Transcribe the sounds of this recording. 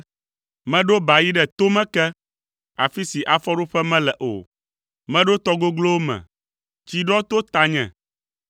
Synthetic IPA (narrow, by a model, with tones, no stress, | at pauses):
mɛ̃˦ɖo˦ba˨ji˦ɖɛ˨t̪o˦mɛ̃˦kɛ˦ | a˨fi˦si˨ʔa˨fɔ˦ɖo˦ɸɛ˦mɛ̃˦lɛ˨ʔo̰˨ | mɛ̃˦ɖo˦t̪ɔ˦ɡo˦ɡlo˦wmɛ̰̃˨ | t͡ʃi˨ɖɔ˦t̪o˦t̪a˨ɲɛ̰̃˨